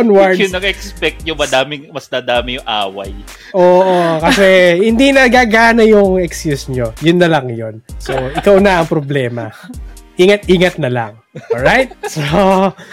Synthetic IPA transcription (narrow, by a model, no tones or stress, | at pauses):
nwaɹʊnɐɡɛkspɛk̚t̪̚jʊŋmɐd̪aːmɪŋmɐsd̪aːd̪aːmɪjʊŋʔaːwɐ̰j | ʔoːʔokɐsɛhɪnd̪inɐɡaːɡaːnɐjʊŋɛkskjusɲo̞jʊnːɐlɐŋjonsoʔɪkɐwnɐɐŋpɾoblɛːmɐʔiːŋɐt̪̚ʔiːŋɐt̪̚nɐlɐ̰ŋ | ʔolɹajt̪̚so